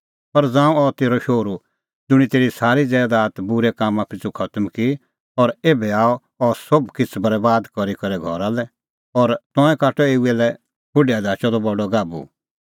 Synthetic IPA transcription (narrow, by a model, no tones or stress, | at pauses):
pɐɾd͡zãːũɔt̪eːɾɔʃoːɾu | d͡zʊɽ̃it̪eːɾisaːɾid͡zɛːd̪aːt̪bʊɾɛkaːmãpʰɪt͡sukʰɐt̪əmki | ɔːɾeːbɛaːɔ | ɔsobkɪt͡sʰbɐɾbaːd̪kɔɾikɐɾɛɡʱɔɾalɛ | ɔːɾt̪ɔ̃ːɛ̃kaːʈɔeːuɛlɛ | pʰʊɖead̪aːt͡ʃɔd̪ɔbɔɖɔɡaːbṵ